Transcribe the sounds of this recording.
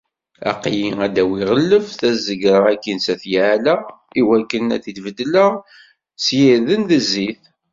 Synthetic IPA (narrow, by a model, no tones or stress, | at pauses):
æ̰qːjiæd̪æwiʁəlːəfθæzəɡɾˤəækːinsæθjʕlæ | iwækːənæ̰θit̪vəd̪ːlə | sjiɾðənðəzːiθ